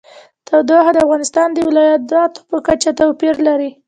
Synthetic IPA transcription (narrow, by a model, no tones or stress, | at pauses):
t̪awd̪aɦad̪əafɣɑnɪst̪ɑnd̪əwɪlɑjat̪̚d̪ɑt̪o̥pəkat͡ʃat̪awpiɾlaɾi